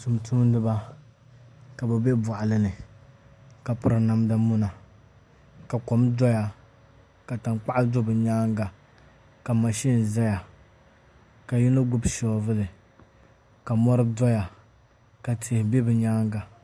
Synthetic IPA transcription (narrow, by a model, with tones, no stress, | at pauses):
tu˨mtu˦m˦nɨ˦ba˦ | ka˨bɛ˨be˦bʊ˨ʔa˨lɨ˦nɨ˨ | ka˨pʊ˨ɾɨ˨na˨mda˦mu˦na˨ | ka˨kɔ˨mdɔ˦ja˨ | ka˨ta˨ŋk͡pa˦ʔa˦do˦bɨ˨ɲaː˦ŋɡa˨ | ka˨ma˨ʃi˦n˨za˦ja˨ | ka˨ji˦nʊ˦ɡʊ˦bʃɔ˨˦vɨ˦lɨ˨ | ka˨mɔ˦ɾɨ˦dɔ˦ja˨ | ka˨tʰe˨hbe˦bɨ˨ɲaː˦ŋɡa˨